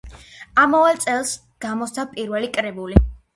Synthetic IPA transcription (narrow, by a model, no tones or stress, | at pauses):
amɔvalˠt̪sʼɛlˠs | ɡ̥amɔst̪ʰapʼiɾvɛlikʼɾɛbuli